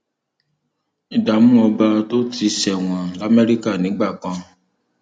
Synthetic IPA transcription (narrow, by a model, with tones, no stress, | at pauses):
i˨da˨mũ˦ɔ˧ba˧to˦tʰi˨˧ʃɛ˨w̃ã˨la˦me˦ɾi˦ka˦˨nĩ˨˦ɡ͡ba˦˨kã˧